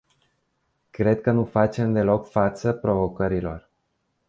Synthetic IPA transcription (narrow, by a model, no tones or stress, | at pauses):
kɾe̞d̪̚kənufat͡ʃe̞md̪e̞lo̞kfat̪səpɾo̞vo̞kəɾilo̞̰r